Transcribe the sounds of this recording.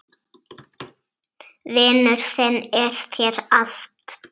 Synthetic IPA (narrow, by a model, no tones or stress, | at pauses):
vɪːnʏɾ̥θɪnɛɾ̥t̪ʰjɛɾaɬt̪